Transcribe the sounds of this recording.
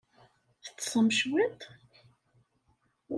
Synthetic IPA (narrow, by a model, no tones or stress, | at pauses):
θə̥t͡sːsˤəmʃwɪt̪ˤ